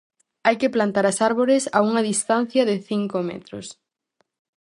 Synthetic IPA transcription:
ajkɪplant̪aɾɐsaɾβoɾɪsauŋɐðist̪an̟θjɐðɪθiŋkomɛ̰t̪ɾʊ̰s

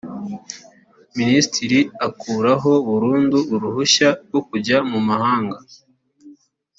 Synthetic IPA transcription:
ministʰiɾiakuːɾaɦo̞βuɾuːnduuɾuhuʃaɾɡokuɟamumahaːŋɡa

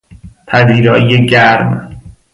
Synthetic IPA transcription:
t̪ʰæziːɾɒːʔijeɟæɾm

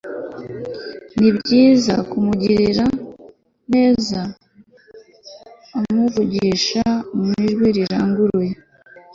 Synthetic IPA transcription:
nibɟiːzakumuɟiɾiɾa | ne̞ːza | muvuɟiʃamiʒɡwiɾiɾaːŋɡuɾwe

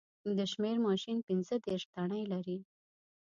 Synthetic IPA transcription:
d̪əʃmeɾmɑʃinpinzəd̪eɾʂt̪aɽəjlaɾi

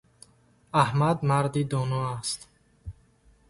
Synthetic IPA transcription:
ahmad̪maɾd̪id̪ɔnɔast̪

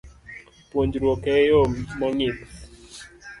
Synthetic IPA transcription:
pwoɲd͡ʒɾwokɛjɔmɔŋɪt̪

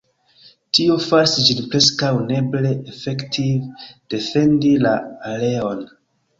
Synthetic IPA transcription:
tiofaɾsid͡ʒinpɾe̞skawne̞ble̞ʔefektʰivd̥e̞fe̞ndilaale̞o̞n

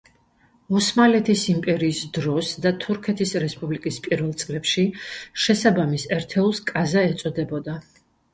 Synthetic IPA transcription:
usmalɛt̪ʰisimpʼɛɾiːsd̪ɾɔsd̪at̪ʰuɾkʰɛt̪ʰisɾɛspʼublikʼispʼiɾvɛlˠt̪sʼlɛpʃiʃɛsabamisɛɾt̪ʰɛulˠskʼazaɛt̪sʼɔd̪ɛbɔd̪a

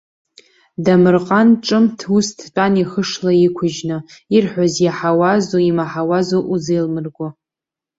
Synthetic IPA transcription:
damɨrqʼanʈ͡ʂʼɨmtʰustʰt͡pʼaniχəʂlaikʷʰʊʒnɨirħʷᶣazjaħawazoimaħawazoʔuzejlmɨrɡʷʊ

